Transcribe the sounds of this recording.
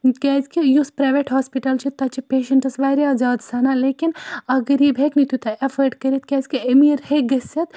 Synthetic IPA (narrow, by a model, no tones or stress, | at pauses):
kʲɛːzkijuspɾaːʋeʈɦaːspiʈɐlt͡ʃʰit̪ːɐt͡ʃipeːʃɐɳʈɐsʋaːjɾiaːzaːd̪sɐnaleːkinɐɡəɾjibʱeknit̪ut̪ɐʔɐfʰəɖkɐɾit̪̚kʲɛːzkiɐmiːɾheɡɐsɐt̪